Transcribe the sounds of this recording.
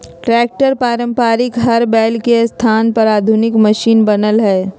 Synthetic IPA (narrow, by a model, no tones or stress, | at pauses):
ʈɾɛːk̚ʈəɾpaːɾə̃mpaːɾɪkɦɐɾbɛːlkest̪ʰaːnpɐɾaːd̪ʱʊnɪkmɐʃiːnbɐnəlɦɛː